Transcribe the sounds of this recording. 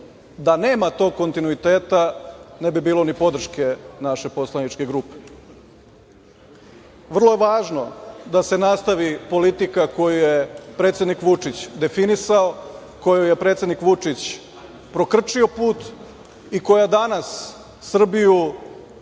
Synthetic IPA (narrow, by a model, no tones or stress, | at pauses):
d̪ane̞ːmat̪o̞ko̞nt̪inuit̪e̞ːt̪anebibiːlo̞nipo̞d̪r̩ʃke̞naʃe̞po̞slˠanit͡ʂke̞ɡɾuːpe̥ | ʋr̩lˠoje̞ʋaːʒno̞d̪ase̞nast̪aʋipo̞lit̪ikako̞jujepɾe̞ːt̪ʲed̪nikʋut͡ʂit͡ɕd̪e̞finisao | ko̞joje̞pɾet̪sʲe̞d̪nikʋut͡ʂit͡ɕ | pɾo̞kr̩t͡ʂio̞puːt̪ | iko̞jad̪anasː | r̩biju